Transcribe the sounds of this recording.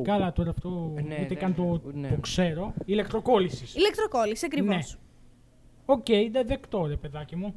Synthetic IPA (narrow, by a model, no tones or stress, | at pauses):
kɐlɐt̪o̞ɾɐːft̪o̞it̪ekɐnt̪ot̪okse̞ɾo̞ilek̚t̪ɾoko̞lisisilek̚t̪ɾokolisisɐkɾine̞s | o̞ce̞iid̪eðekt̪o̞ɾepe̞ðɐcimu